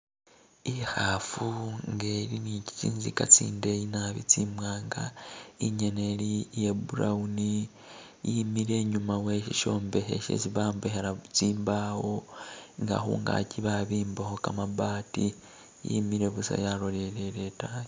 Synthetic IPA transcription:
ihafuŋɡeɾinici̥t͡ʃiːnzikat͡sḭːndejinaβḭt͡simwaːŋɡa̰iɲeneɾijebuɾauni | jimiɾe̞ːɲumawe̞ʃiʃo̞ːmbe̞hḛʃḛt͡siβaːmbe̞heɾat͡siːmbaho̞ŋɡa̰xṵŋɡa̰ciβaβiːmbaho̞kamabaːti | jḭmiɾe̞βusa̰jaɾoɾeɾeɾetaj

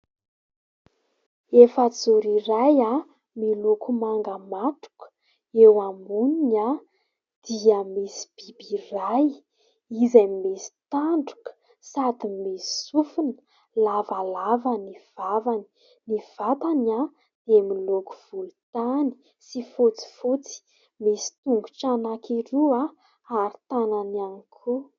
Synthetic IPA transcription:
efat͡suɾiɾaja | milokumaŋɡamat̪u̥kə̥ | ewamunina | d̪̥iəmisi̥b̥ibiraj | izajmesi̥t̪aɳɖ͡ʐu̥kə̥ | sad̪imesi̥sufunə̥ | lavalavaniv̥avani̥ | niv̥at̪ana | d̪̥emiloku̥v̥ulut̪ani̥ | sifot͡si̥fot͡si̥ | misi̥t̪uŋɡu̥ʈ͡ʂanakiɾua | aɾi̥t̪anananikʰu

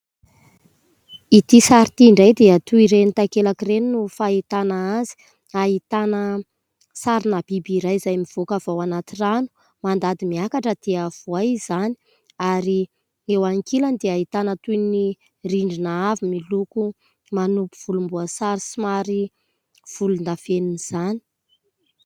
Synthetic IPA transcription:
it̪isaɾit̪iiɳɖ͡ʐajd̪eat̪uiɾenit̪akelakireninufait̪anaazi̥ | aɦit̪anə | saɾinab̥ibiɾajzajmiv̥okav̥awanat̪iranu̥ | mand̪ad̪imiakaʈ͡ʂəd̪̥eəvuajzani̥ | aɾi | ewaŋkiland̪eaɦit̪anət̪ujni | riɳɖ͡ʐinaavimiluku | manupuv̥ulumbuasaɾisimaɾi | v̥ulund̪afeniniz̥ani̥

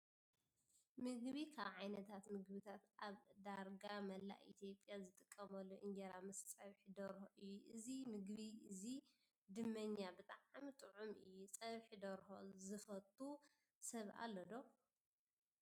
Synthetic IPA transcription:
mɨɡβikʰaβʕajnɐt̪ʰat̪mɨɡbɨt̪ʰat̪ʔaβd̪aɾɡamɐlːa̰ʔḭt̪ʰjo̞pʼjazɨt̪ʼɨkʼːɐmɐlːoʔɨnd͡ʒɐɾamɨssʼɐβħid̪ɐɾhoʔɨjːuʔɨzimɨɡβiʔɨzi | d̪ɨmːɐɲːabɨt̪ʼaʕamt̪ʼɨʕumʔɨ̰jːut͡sʼɐβħid̪ɐɾho̰zɨfɐt̪ʼu | sɐβa̰lːod̪o

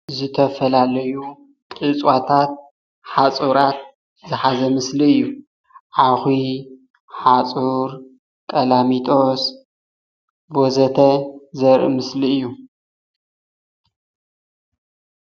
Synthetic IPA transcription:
zɨt̪ʰɐfɐlalɐju | tʼɨt͡sʼwat̪ʰat̪̚ | ħat͡sʼuɾat̪̚ | zɨħazɐmɨsliɨjːu | ʔaxi | ħat͡sʼuɾ | kʼɐlamit̪ʰos | bozɐt̪ʰɐzɐɾʔɨmɨsliɨjːu

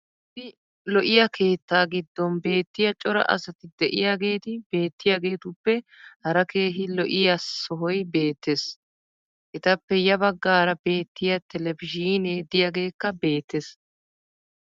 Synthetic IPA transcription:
ɪt̪ɪ | lɔʔɪjɐkʰe̞ːt̪ːaːɡɪd̪ːɔnbe̞ːt̪ːɪjɐt͡ʃʼɔɾɐ̰ʔɐ̰sɐt̪ɪd̪ɛʔɪ̰jaːɡe̞ːt̪ɪbe̞ːt̪ːɪjaːɡe̞ːt̪ʊpːɛhɐɾɐke̞ːɦɪlɔʔɪjɐsɔɦɔjbe̞ːt̪ːes | ʔɪt̪ɐpːɛjɐbɐɡːaːɾɐbe̞ːt̪ːɪjɐt̪ʰɛlɛvɪd͡ʒiːneːd̪ɪjaːɡe̞ːkːɐbe̞ːt̪ːes

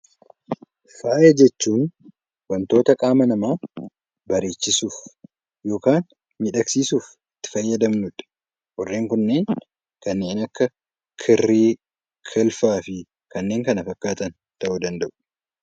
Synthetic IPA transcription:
faːʔed͡ʒɛt͡ʃːuːn | wɐnt̪o̞ːt̪ɐkʼaːmɐnɐmaː | bɐɾeːt͡ʃːɪsuːf | jo̞ːkaːn | miːᶑɐksiːsuːf | ɪt̪ːɪ̥fɐjːɐd̪ɐmnʊᶑɐ̥ | wɔrːe̞ːŋkʊnːe̞ːn | kɐnːe̞ːnɐkːɐ | kʰɪrːiː | kʰɪlfaːfɪ | kɐnːe̞ːŋkɐnɐfɐkːaːt̪ɐn | t̪ɐʔud̪ɐnd̪ɐʔʊ̥

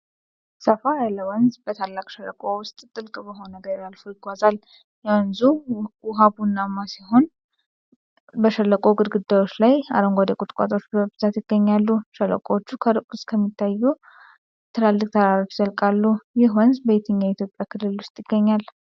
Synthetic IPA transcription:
səfajalːəwɔnzbət̪ʰalːakʼʃələkʼowʊst̪ʼt̪ʼɨlkʼbəɦo̞nəɡəɾjalfojɪɡʷazal | jɛwənzuwʊɦabunːamːasiɦo̞n | bəʃəlːəkʼoɡɨd̪ɡɨd̪ːajwot͡ʃːlaja̰ɾəŋɡʷad̪ekʼʊt̪ʼkʼa̰t̪ʼo̞t͡ʃːbəbɨzat̪jɪɡ̥ːəɲːalːuʃɛlːə̰kʼot͡ʃːukʰəɾkʼʊskʰəmːit̪ʰːajːu | t̪ʰɨlalːɨkʼt̪ʰaɾaɾot͡ʃzəlkʼalːujɪɦwɔnzbəit̪ʰəɲːait̪ʰjo̞pʼjakʰɨlːɨlwʊst̪ʼjɪɡ̥ːəɲːal

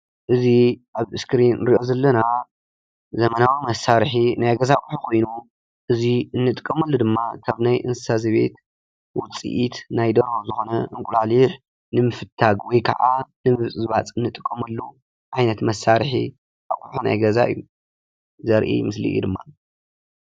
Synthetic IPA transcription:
ʔɨziʔaβɨskɾinɾiʔo̞zɐlːɐna | zɐmɐnawimɐsaɾħinajɡɐzakʼuħukʰo̞jnu | ʔɨziɨnːɨt̪ʼɨkʼːɐmɐlːud̪ɨmːak̪ʰaβnajʔɨnsɨ̥sazɐβe̞̰t̪ | wɔt͡sʼḭʔit̪najd̪ɐɾozɨxo̞nɐɨŋkʷʼulaliħ | nɨmɨfɨt̪ʰːaɡwɔjkʰɐ̰ʕanɨmɨβt͡sʼɨzβat͡sʼɨnːɨt̪ʼɨkʼːɐmɐlːu | ʕajnɐt̪mɐsːaɾħi | ʔa̰kʼuħuna̰jɡɐza̰ʔɨjːu | zɐɾʔḭmɨslḭʔj̰d̪ɨmːa̰

